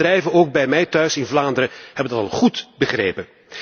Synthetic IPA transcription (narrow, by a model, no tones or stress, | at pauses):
rɛjvəowɡ̚bɛjmɛjtœɥsɪnvlaːndəɾəhɛbəndɑtɑ̰lˠχutbəχrḛːpən